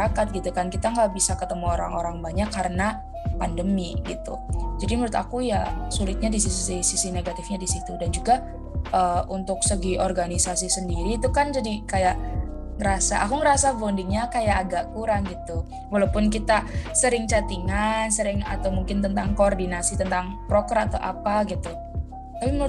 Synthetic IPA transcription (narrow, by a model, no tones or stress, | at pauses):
akat̪̚ɡit̪ukankit̪aŋɡaʔbisakət̪əmuoɾa̰ŋoɾaŋbaɲakːaɾəna | pandəmiɡit̪ud͡ʒadiməɾʊt̪a̰kujasulɪt̪̚ɲadisisisisisineɡat̪ɪfɲadisit̪udand͡ʒuɡa | ʔəunt̪ʊksəɡiʔɔrɡanisas̬isəndiɾiːt̪ukand͡ʒadikajaʔ | ŋəɾasa̰ʔakuŋəɾasavondɪŋɲakajaʔːɡaʔkuɾaŋɡit̪u | walawpʊnkit̪asəɾɪŋt͡ʃat̪iŋansəɾɪŋa̰t̪awmuŋkɪnt̪ənt̪aŋkoːrdinasit̪ənt̪aŋpɾokɾat̪aʔapaɡit̪u | t̪apimənu